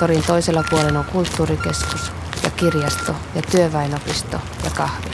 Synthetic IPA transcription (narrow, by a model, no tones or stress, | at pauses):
orint̪oiselːɑpuolenoŋkult̪ːuːrikeskus | jɑ̰kirjɑst̪ojɑt̪yøʋɑinopist̪o̰ | jɑ̰kɑhʋe